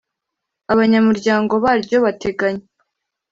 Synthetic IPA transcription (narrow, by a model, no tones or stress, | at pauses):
aβaɲamuɾɟaːŋɡo̞βaːɾɟo̞βate̞ɡaɲe